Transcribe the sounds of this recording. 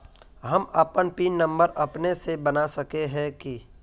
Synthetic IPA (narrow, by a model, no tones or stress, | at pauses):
ɦɐmɐpənpiːnːɐ̃mbəɾʔɐpnesebɐnasɐkeɦɛ̃ki